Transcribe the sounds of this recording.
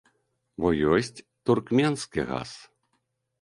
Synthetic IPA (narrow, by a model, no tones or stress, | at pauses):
bɔjɔsʲt͡sʲ | t̪urkmʲɛnskʲiɣa̰s